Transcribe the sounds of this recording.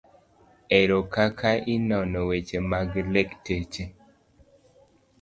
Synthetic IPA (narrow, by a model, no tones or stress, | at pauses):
ɛɾokakʰaʔɪnɔnɔwet͡ʃemaɡlektet͡ʃe